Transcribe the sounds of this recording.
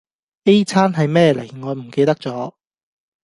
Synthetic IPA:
e˥jt͡sʰaː˥nɦɐ˨jmɛː˥lɛ˨˩jŋɔː˨˧m̩˨˩ke˧jt̪ɐ˥k̚t͡sɔː˨˥

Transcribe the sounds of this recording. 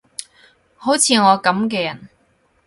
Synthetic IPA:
ho˨˥wt͡sʰiː˨˧ŋɔː˨˧kɐ˨˥mkɛː˧jɐ˨˩n

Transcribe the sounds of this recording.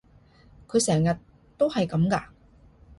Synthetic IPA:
kʰɵ˨˧ɥsɛː˨˩ŋjɐ˨t | t̪o˥whɐ˨jkɐ˨˦mka˧

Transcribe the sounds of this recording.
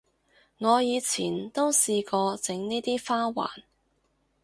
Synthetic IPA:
ŋɔː˨˧jiː˨˧t͡sʰḭː˨˩nt̪o˥wsiː˧kɔː˧t͡sɪ˨˥ŋniː˥t̪iː˥faː˥wa̰ː˨˩n

